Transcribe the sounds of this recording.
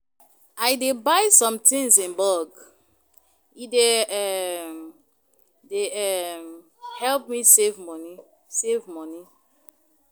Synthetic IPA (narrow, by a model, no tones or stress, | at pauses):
ajdebaɪsɔ̃mtʰĩŋsĩnbɔɡ | ideɛm | deɛm | hɛlpmisevmɔni | sevmɔni